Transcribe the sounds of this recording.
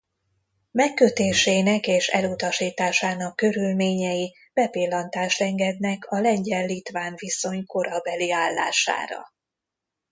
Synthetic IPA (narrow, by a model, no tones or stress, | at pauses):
mɛkːø̞t̪eːʃeːnɛkeːʃɛ̰lut̪ɒʃiːt̪aːʃaːnɒkːø̞ɾylmeːɲɛji | b̥ɛpilːɒnt̪aːʃɛŋɡɛd̪nɛkʰɒlɛɲɟɛlːit̪ʋaːɱviso̞ɲko̞ɾɒbɛliaːlːa̰ːʃa̰ːɾɒ̰